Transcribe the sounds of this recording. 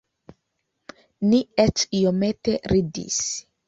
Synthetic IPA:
niet͡ʃijomet̪eɾidḭs

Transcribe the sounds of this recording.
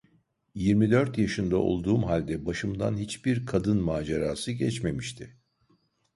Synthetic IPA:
jiɾmid̪øɾt̪jaʃɯnd̪aʔo̞̰lˠd̪uːmɦalʲd̪ɛbaʃɯmd̪anhit͡ʃbiɾkʰad̪ɯnmaːd͡ʒaɾaːsɯɟɛt͡ʃme̞miʃt̪ʰɪ

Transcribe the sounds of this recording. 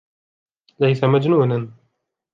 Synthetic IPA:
lajsamad͡ʒnuːnan

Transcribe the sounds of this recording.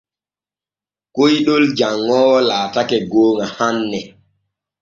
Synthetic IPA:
kojɗold͡ʒaŋːɔːwɔlaːtakɛɡoːŋahanːɛ

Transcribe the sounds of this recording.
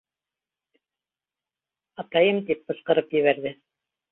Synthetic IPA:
ɑt̪ɑjɤmt̪ip̚bɤ̆sqɤ̆ɾɤpjɘ̆βæɾðɘ

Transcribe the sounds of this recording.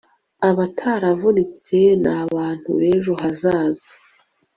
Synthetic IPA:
aβatʰaːɾavunit͡se̞naβaːn̥hṵβeːʒo̞hɦazaːzḁ

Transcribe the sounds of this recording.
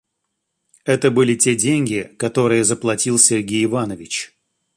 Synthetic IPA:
ɛt̪əbɨlʲɪtʲedʲenʲɡʲɪkɐt̪o̞ɾɨjəzəplˠɐtʲilˠsʲɪrɡʲejɪvanəvʲɪt͡ɕ

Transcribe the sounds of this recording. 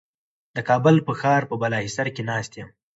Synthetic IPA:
d̪̥əkɑbʊlpəxɑːɾpəbalɑɦisaɾkenɑst̪jəm

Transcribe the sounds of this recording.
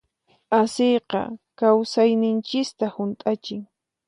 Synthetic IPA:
asejqɑ̰kawsajnɪnt͡ʃɪst̪ahʊnt̪ʼat͡ʃɪŋ

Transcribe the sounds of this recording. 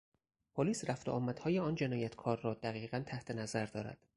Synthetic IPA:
pʰoliːsræft̪oʔɒːmæd̪hɒːjeɒːnd͡ʒe̞nɒːjæt̪ʰkʰɒːɾːɒːd̪æɣiːɣænt̪ʰæht̪ʰe̞næzæɾd̪ɒːɾæ̰d̪̥

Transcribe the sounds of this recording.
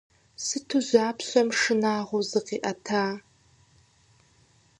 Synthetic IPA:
sɨtʰuʑʷaːpʰɕʷɐmʂɨnaːʁʷʊzɨqiːʔɐtʰaː

